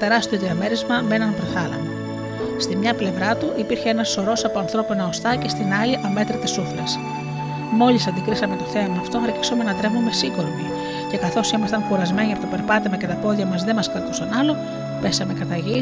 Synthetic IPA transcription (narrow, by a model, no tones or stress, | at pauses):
t̪e̞ɾɐst̪eo̞ðiɐme̞ɾizmɐmeenɐnpɾeθɐlɐ̰mɐ | st̪imɲɐple̞vɾɐt̪uʔipiɾçeenɐso̞ɾo̞sɐpoɐnθɾo̞pinɐost̪ɐce̞st̪inɐliʔɐme̞t̪ɾit̪isuflɐs | mo̞lisɐnd̪ikɾisɐmet̪o̞θe̞loɐft̪oɐɾci̥some̞nɐt̪ɾe̞vumesiko̞ɾmi | ce̞kɐθo̞simɐst̪ɐŋkuɾɐzme̞ɲiɐpot̪ope̞ɾpɐt̪emɐce̞t̪ɐpo̞ðʝɐmɐzðe̞mɐskɾɐt̪usɐnɐlo̞ | pe̞sɐme̞kɐt̪ɐʝi